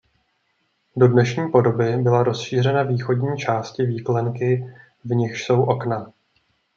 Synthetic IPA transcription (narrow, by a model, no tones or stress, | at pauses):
do̞dnɛʃɲiːpo̞do̞bɪbɪlaɾo̞sʃiːr̝ɛnaviːxo̞dɲiːt͡ʃaːscɪviːklɛŋkɪ | vɲɪxʃso̞wʔo̞kna